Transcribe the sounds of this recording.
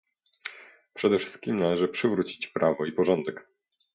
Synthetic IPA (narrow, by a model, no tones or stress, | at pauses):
pʂɛd̪ɛfʂɘ̥st̪̚kʲimnalɛʐɘpʂɘvɾut͡ɕi̥t͡ɕpɾʔavɔipɔʐɔnd̪ɛk